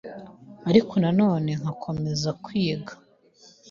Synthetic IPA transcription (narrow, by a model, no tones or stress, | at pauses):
aɾikʰo̞nano̞ːne̞ŋ̥akʰo̞me̞zakwiːɡḁ